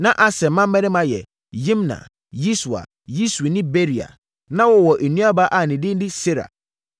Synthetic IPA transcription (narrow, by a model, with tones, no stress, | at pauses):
nã˦ʔa˨sɛ˨m̩˨mã˦m˦mɛ̃˦nɪ̃˦mã˦jɛ̰˨ | jĩ˦mnã̰˨ | ji˦su˨a̰˨ | ji˦su˨nɪ̃˦be˦ɾi˨a̰˨ | nã˦wɔ˦wɔ˨ʔe˨nũ˦a˦ba˦ʔa˨nɪ̃˨dɪ̃˦n˦dɪ˦se˦ɾa̰˨